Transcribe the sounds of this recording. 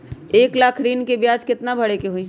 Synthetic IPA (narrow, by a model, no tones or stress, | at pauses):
eːklaːkʰɾiːnkebjaːd͡ʒkɪt̪nabʱəɽekeɦoĩ